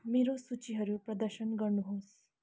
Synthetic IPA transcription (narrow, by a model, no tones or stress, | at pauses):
miɾosut͡ɕiɦəɾupɾəd̪əɾɕənɡəɾnuɦoːs